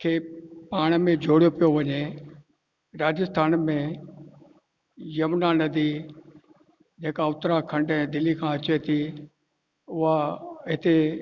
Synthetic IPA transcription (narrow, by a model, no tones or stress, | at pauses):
kʰeːpaːɽ̃mẽd͡ʑʱoːɽijopijoʋɐɲe | ɾaːd͡ʑəst̪ʰaːnmẽ | jɐmnanɐd̪i | d͡ʑeːkaʊt̪ɾakʰɐ̃ɳɖɛ̃d̪ɪlikʰãːɐt͡ɕet̪ʰi | ʊɦaɦɪt̪e